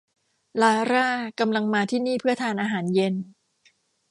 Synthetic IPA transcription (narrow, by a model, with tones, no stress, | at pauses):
laː˧ɾaː˥˩ka˧mla˧ŋmaː˧t̪ʰiː˥˩niː˥˩pʰɯ˥˩ɐt̪ʰaː˧nʔaː˧ɦaː˩˦nje˧n